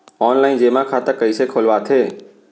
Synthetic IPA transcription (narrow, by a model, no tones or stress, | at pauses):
ɔːnlaːɪnd͡ʒeːmãkʰat̪əkəisekʰoːlʋat̪ʰeː